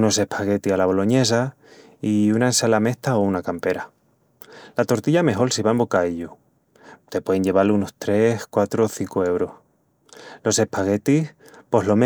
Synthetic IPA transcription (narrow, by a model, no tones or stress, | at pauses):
no̞se̞hpʰaɣe̞t̪ialaβ̞o̞lo̞ɲe̞s̬a | iunaensalame̞ht̪aounakampe̞ɾa | lat̪o̞ɾt̪iʎame̞ɦo̞lsiβaembo̞kaiʎo | t̪e̞pwe̞ðeɲʝe̞β̞aluno̞st̪ɾe̞skwat̪ɾoθiŋkoe̞wɾo̞h | lo̞se̞hpʰaɣe̞t̪ih | po̞ɦlo̞me